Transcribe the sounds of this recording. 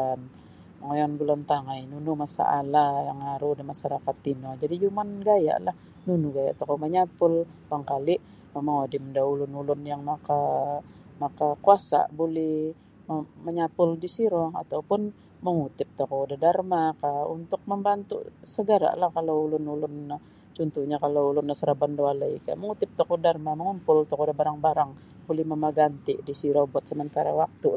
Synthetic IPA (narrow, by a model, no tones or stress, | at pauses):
an | məŋojɔnɡulɔnt̪aŋajnunumasa̰ʔalajaŋaɾudahmaʃaɾakat̪ːinɔd͡ʒadid͡ʒumanɡaja̰ʔlah | nunuɡaja̰ʔt̪ɔkɔməɲapʊl | baŋkaliʔ | memaŋodɪmədaulʊnulʊnjaŋmaka | makakuasa̰bulɛh | məɲapʊldisiɾɔa̰t̪awpʊn | məŋut̪ɪp̚t̪okɔudahdarmakaṵnt̪ʊk̚məmbant̪ṵsəɡəɾa̰ʔlahkaloulʊnulʊnːa | t͡ʃɔnt̪uɲakaloulʊnːasəɾabandoalaḭka̰ʔməŋut̪ɪp̚t̪okɔdarmaməŋumpʊlt̪ɔkɔdahbaɾaŋbaɾaŋ | bolɛhməməɡant̪ɪʔdisiɾɔbuat̪̚səmənt̪aɾa̰wak̚t̪u